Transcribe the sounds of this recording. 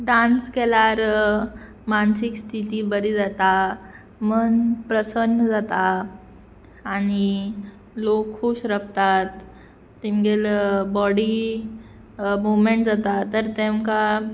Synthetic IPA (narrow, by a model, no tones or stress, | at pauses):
ɖãnskɛlaɾ | mansikst̪ʰit̪ibəɾid͡zat̪a | mənpɾəsənːəd͡zat̪a | ñi | lokʰːuːɕɾəp̚t̪at̪ː | imɡelbɔɽi | mumeɳʈd͡zat̪at̪ːəɾt̪emka